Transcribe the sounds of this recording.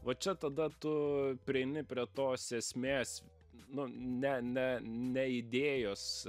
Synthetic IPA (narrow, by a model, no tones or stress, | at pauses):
ʋɐt͡ʃʲɛt̪ɐd̪ɐt̪ʊpʲɾʲɪɛɪnʲɪpʲɾʲiɛt̪oːsʲeːsʲmʲeːs | nʊnʲɛnʲɛnʲɛɪd̪ʲeːjoːs